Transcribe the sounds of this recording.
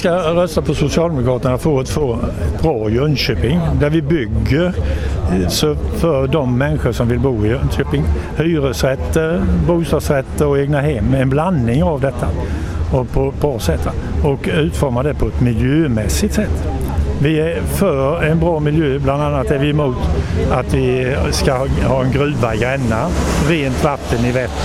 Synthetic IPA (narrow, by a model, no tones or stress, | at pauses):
skaɾœst̪apʰɔsʊsɪɑːld̪ɛmʊkʰɾɑːt̪əɳafoat̪foːɛt̪bɾɑːjœnɕøːpɪŋd̪æɾvɪbʏɡːəɾ | sɔfœɾɖɔmːɛnːɧəʂɔmvɪlbuːɪjœnɕøːpɪŋ | hyːɾəsɾɛt̪ːəbuːst̪ɑːd̪sɾɛt̪ːəɔeːɡnaɦɛmːɛnblanːɪŋavd̪ɛt̪ːa | ɔpʰɔbɑːsɛt̪ʰːɔkʉ̟ːt̪fɔɾmad̪ɛpʰɔɛt̪mɪljøːmɛsɪt̪sɛt̪ː | vɪæfœɾɛnbɾɑːmɪljøːbland̪anːat̪æɾvɪɛmuːt̪at̪vɪ | skahɑːɛnɡɾʉ̟ːvaɡɾɛnːa | ɾeːnt̪vat̪ːənɪvɛt̪ː